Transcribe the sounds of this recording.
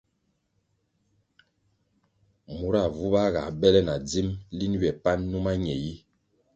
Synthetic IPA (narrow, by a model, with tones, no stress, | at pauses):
mu˨˦ɾa˦˨vu˦ba˦ɣa̰˨bɛ˦lɛ˦na˨d͡zi˦mli˦n˦ɥɛ˨pa˦nːu˦ma˦ɲɛ˨ji˦